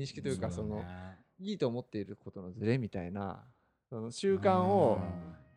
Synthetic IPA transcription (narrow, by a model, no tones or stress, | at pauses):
ĩɕi̥kʲi̥t̪o̞jɯ̟kaso̞no̞ | iːt̪o̞ːmo̞t̪ːe̞iɾɯ̟ko̞t̪o̞no̞zɨɾe̞mʲit̪aḭna̰ | so̞no̞ɕɨːkãɰ̃o̞